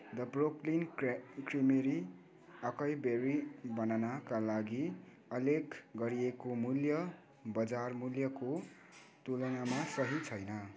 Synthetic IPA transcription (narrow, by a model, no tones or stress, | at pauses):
d̪ʌbroklinkrimeɾi | ʌkʌjbeɾibʌnanakalaɡi | ʌlekɡʌɾiekomuljʌ | bʌd͡zarmuljʌko | t̪ulʌŋamasʌɦit͡sʰʌjnʌ